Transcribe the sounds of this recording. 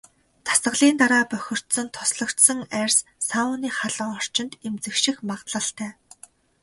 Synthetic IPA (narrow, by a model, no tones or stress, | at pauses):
t̪ʰḁsə̆ɮiːnt̪aɾaːpœxʲɪ̆r̥t̪sə̆nt̪ʰʊsɮɞ̆kt̪sə̆ŋærʲssaʊniːχaɮə̆ŋɔr̥t͡ɕɪ̆nt̪emt͡sɘ̆kʃĭxmaʁt̪ɮə̆ɬt̪ʰæː